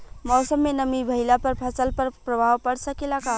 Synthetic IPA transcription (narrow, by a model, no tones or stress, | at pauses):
mɔːsəmːenəmibʱəɦilapəɾpʰəsəlpəɾpɾəbʱaʋpəɽsəkelaka